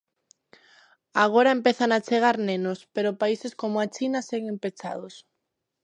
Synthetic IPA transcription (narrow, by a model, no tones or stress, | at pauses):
aɣ̞oɾaempeθaŋat͡ʃeɣ̞aɾnẽnospeɾopaiseskomoat͡ʃinaseɣempet͡ʃa̰ðos